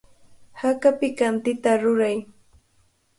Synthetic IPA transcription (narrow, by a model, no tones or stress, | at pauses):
hakapɪkant̪ɪt̪aɾʊɾaj